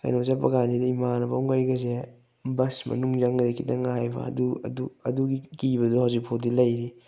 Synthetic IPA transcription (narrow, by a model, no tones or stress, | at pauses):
ka̰jnozapɐ̰ɡanzidɐimanɐba̰wŋɡajɡɐze | bɐsmɐ̰nuŋzaŋɡdekʰidɐ̰ŋajbɐ̰ɐ̰duɐ̰duɐduɡikibɐduhawzik̚pʰodilɐjɾi